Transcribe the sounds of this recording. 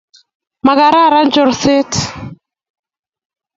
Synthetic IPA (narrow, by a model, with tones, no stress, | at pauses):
ma˨ɣa˨ɾa˦˨ɾa˦nd͡ʒɔ˨ɾse˦t